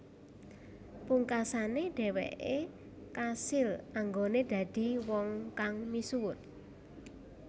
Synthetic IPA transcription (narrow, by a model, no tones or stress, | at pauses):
puŋkasaneɖ̥ɛ̤wɛ̰ʔe | kasɪlaŋɡoned̪̥ä̤d̪̥i̤wɔŋkaŋmisuwʊt̪